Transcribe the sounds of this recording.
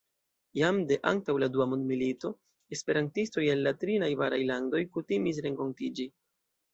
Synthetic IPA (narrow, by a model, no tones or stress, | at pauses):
jamde̞ʔa̰ŋtawladuamondmilito̞ | e̞spe̞ɾantisto̞jelːatɾinajvaɾajlando̞jkutimis̬ɾe̞ŋko̞ntid͡ʒi